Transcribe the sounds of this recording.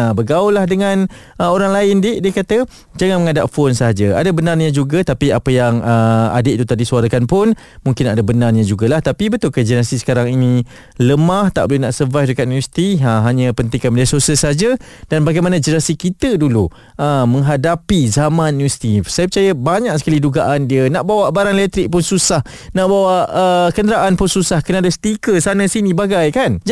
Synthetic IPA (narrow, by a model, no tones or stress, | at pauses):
abəɡaulahdəŋãn | əoɾaŋlaɪndidiəkat̪ə | d͡ʒaŋanməŋadaʔfonsəɦad͡ʒaa̰dabənarɲə̃d͡ʒuɡat̪apiapəjaŋəa̰dɪʔt̪ut̪aʔdisuaɾakanpʊn | mũŋkɪnadabənarɲəd͡ʒuɡalaht̪apibət̪ʊlkəd͡ʒənasisə̥kaɾaŋinĩ | ləmaht̪a̰ʔbolenaʔsərvajfdəkat̪̚nĩnwɛsi̥t̪iəɦaɲəpənt̪ɪŋkanədiasosəsad͡ʒə | d̥anbaɡajmanə̃d͡ʒənəɾasikit̪ədulu | ʔəmə̃ŋɦadapizamãnːĩwɛsi̥t̪isajəpərt͡ʃajəbaɲaʔ̚sə̥kaliduɡaʔandiənãʔbawaʔbaɾaŋelɛk̚t̪ɾɪk̚pʊnsusah | nãʔbawaʔəkəndəɾaʔanpʊnsusahkənadast̪ikəsanə̃sinĩbaɡajkand͡ʒ